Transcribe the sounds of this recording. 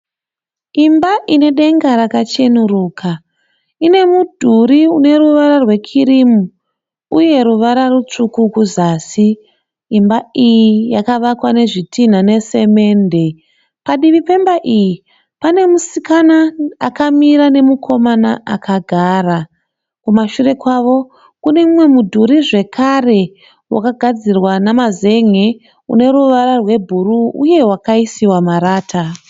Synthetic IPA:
imbaʔine̞ɗe̞ŋɡaɾakat͡ʃe̞nuruːkʰa | ine̞mudʱuɾiune̞ruʋaɾarwe̞kʰiɾimu | uje̞ɾuʋaɾarut͡ʂukukuzaːsiː | mbaijijakaʋakwane̞ʐitʰin̤ane̞se̞me̞ːnde̞ | paɗiʋipe̞mbaʔiji | pane̞musikanaːkamiɾane̞mukʰo̞manaʔakʰaɡʱaːra | kumaʃure̞kwaʋo̞ | kune̞mumwe̞mudʱuɾiʐe̞kʰare̞ | wʔa̰kaɡʱad͡zirwanamaze̞ŋe | ṵne̞ɾuʋaɾarwe̞bʱuɾuṵje̞wakaisiwamaɾaːtʰa

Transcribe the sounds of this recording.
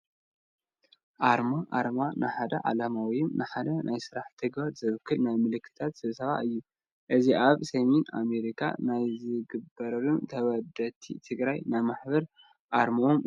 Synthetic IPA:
ʔaɾmaʔa̰ɾmanɨħad̪ɐ̰ʕa̰lamawiɪmnʔɨħad̪ɐnʔajsɨɾaħt̪ʰɨɡbaɾzɨβɨkʰːɨlnajmɨlɨkʰːɨ̥t̪ʰat̪sɨβsɐβa̰ɨjːu | ʔɨziʔaβsɐmena̰me̞ɾikʰa̰najzɨɡɨbːɐɾɐlunt̪ʰɐβɐd̪ɐt̪ʰːḭt̪ʰɨɡɾajnajmaħbɐɾ | ʔaɾmoom

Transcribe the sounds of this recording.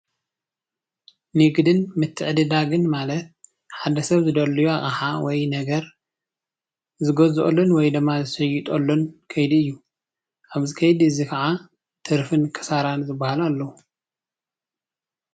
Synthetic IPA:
nɨɡd̪ɨnmɨt̪ʰːɨʕɨd̪ɨd̪aɡɨnmalɐt̪̚ | ħad̪ɐsɐβzɨd̪ɐlːujuaχʼaħawɔjnɐɡɐɾ | zɨɡozʔo̰lːonwɔjd̪ɨmːazɨsɐjut̪ʼolːonkʰɐjd̪iɨjːu | ʔaβzɨkʰɐjd̪ɨzikʰɐʕa | t̪ʰɨɾfɨnkʰɐ̥saɾanzɨbːahalalːɐu

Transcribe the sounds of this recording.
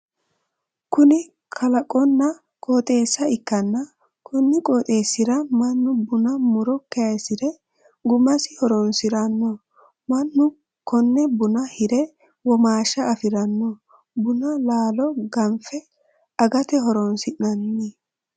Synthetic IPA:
kʊnɪ | kʰɐlɐkʼɔnːɐ | kʼoːt̪ʼe̞ːsːɐɪkːɐnːɐ | kʰɔnːɪkʼoːt̪ʼeːsːɪɾɐmɐnːʊbʊnɐmʊɾɔkːɛjɐsɪɾɛ | ɡʊmɐsɪhɔɾɔnsɪɾɐnːɔ | mɐnːʊ | kɔnːɛbʊnɐhɪɾɛ | wɔmaːʃɐːfɪɾɐnːɔ | bʊnɐlaːlɔɡɐmfɛ | ɐɡɐt̪ɛɦɔɾɔnsɪnɐnːi

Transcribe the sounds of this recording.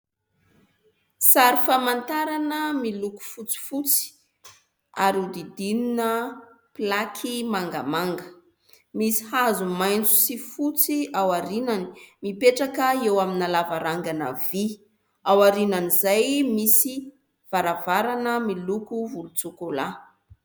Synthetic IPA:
saɾifamant̪aɾanəmiluku̥fut͡si̥fut͡si̥ | aɾiud̪id̪ininə | plakʰimaŋɡa̰maŋɡə | misi̥hazumajnt͡su̥sifut͡siawaɾinani̥mipeʈ͡ʂakəewaminalavaɾaŋɡana̰vi | awaɾinanizajmisi | v̥aɾavaɾanəmilukuvulut͡sukola

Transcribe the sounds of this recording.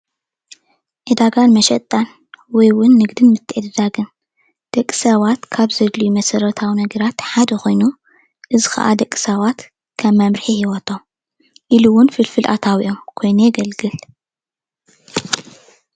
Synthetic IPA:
ʕɨd̪aɡanmɐʃɐt̪ʼːan | wɔjwʊnːɨɡd̪ɨnmɨt̪ʰːɨʕɨd̪ɐd̪aɡɨn | d̪̥ɐkʼːisawat̪kʰaβzɐd̪ljumɐsɐɾɐt̪ʰawinɐɡɐɾat̪ħad̪ɐxo̞jnu | ʔɨzixɐ̰ʔad̪ɐkʼːi̥sawat̪ | kʰɐmːɐmɾħihiwɐt̪ʰom | ʔiluwʊnfɨlfɨlʔa̰t̪ʰawiʔomkʰo̞jnujɛɡɐlɡɨl

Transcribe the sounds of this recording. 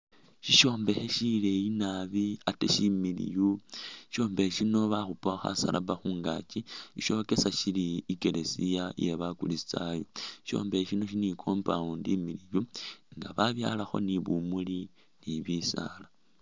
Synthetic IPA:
ʃiʃo̞ːmbe̞heʃile̞inaβiatḛʃimilḭjuʃo̞ːmbeʃino̞βaxupoxa̰sa̰lʔa̰baxuːŋɡa̰t͡ʃiiʃo̞ke̞saʃiliːke̞le̞sijaje̞βakulisi̥t͡sajoi̥ʃo̞̰ːmbeheʃino̞ʃinikʰo̞ːmpaundimilijuŋɡaβaβja̰laxo̞̰niβumuli | niβisa̰la

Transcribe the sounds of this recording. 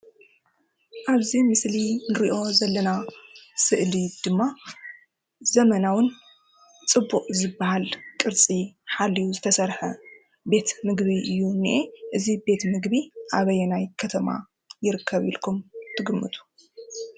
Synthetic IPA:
ʔaβzimɨslinɨɾiʔo̞zɐlːɐnasɨʔlid̪̥ɨmːa | zɐmɐnawʊn | t͡sʼɨbːuqʼzɨbːahalkʼɨɾt͡sʼiħalːijuzɨt̪ʰɐsɐɾħɐ | be̞t̪mɨɡβiʔɨjːuniʔeʔɨzibe̞t̪mɨɡβiʔaβɐjɛnajkʰɐt̪ʰɐma̰ | jɪɾɨkʰːɐβḭlkʰumt̪ʰɨɡɨmːɨ̰t̪ʰu̥

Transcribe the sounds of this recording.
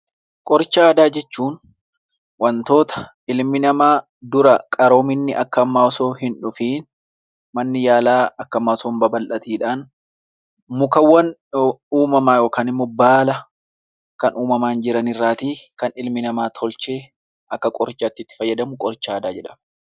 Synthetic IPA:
kʼɔɾt͡ʃːaːd̪aːd͡ʒɛt͡ʃːuːn | wɐnt̪o̞ːt̪ɐ̥ | ɪlmɪnɐmaː | d̪ʊɾɐkʼɐɾo̞ːmɪnːɪʔɐkːɐɐmːaːsoːɦɪnᶑʊfin | mɐnːɪjaːlaːɐkːɐmːaːsoːmbɐbɐlʔɐt̪iːᶑaːn | mʊkɐwːɐnuːmɐmaːjoːkɐːnɪmːɔbaːlɐ | kɐnʔuːmɐmaːnd͡ʒɪɾɐnɪrːaːt̪iːkɐnɪlmɪnɐmaːt̪ʰɔlt͡ʃe̞ː | ʔɐkːɐkʼɔɾt͡ʃːɐːt̪ːɪt̪ːɪ̥fɐjːɐd̪ɐmʊkʼɔɾt͡ʃːaːd̪aːd͡ʒɛᶑɐm

